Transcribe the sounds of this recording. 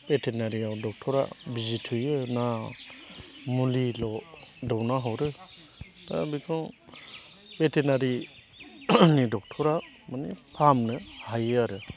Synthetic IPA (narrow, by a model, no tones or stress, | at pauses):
petʰenaɾiawdɔk̚tʰɔɾa̰bizitʰɯjɯna | mulilɔdɔwnaɦɔwɾɯ | ta̰bikʰɔ | petʰenaɾi | nidɔk̚tʰɔɾa | manipʰamnɯhajɯaɾɯ